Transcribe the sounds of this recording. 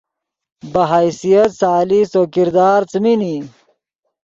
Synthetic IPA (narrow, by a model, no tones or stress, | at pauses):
bɐɦaisijɐt̪saːlisoːkiɾd̪aːɾt͡smini